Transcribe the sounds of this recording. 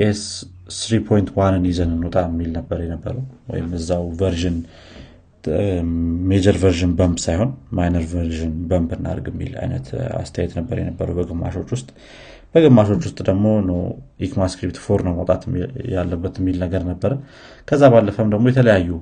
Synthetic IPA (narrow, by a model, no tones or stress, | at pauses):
ʔesː | ɾipʰojnt̪wanːɨnizənɨnːot̪ʼaɨmːilnəbːəɾjɛnəbːə̰ɾəwwɔ̰jɪmɨzːawvəɾʒɪn | med͡ʒəɾvəɾʒɨnbəmbsajho̞nmajnəɾvəɾʒɨnbəmbɨnːa̰ɾɡɨmːḭla̰jnə̰t̪a̰st̪ʰəjajɛt̪nəbːəɾjɛ̰nəbːəɾəwbəɡɨmːa̰ʃo̞t͡ʃːwʊst̪ʼ | b̥əɡɨmːaʃo̞t͡ʃːwʊst̪ʼd̪əɡmo̞nəwʔikmaskɾip̚t̪foɾnəwməwt̪ʼat̪jalːəbːət̪mːilnəɡəɾnəbːəɾə | kʰəzːaβalːəfəmd̪əɡmojɛt̪ʰələjajːu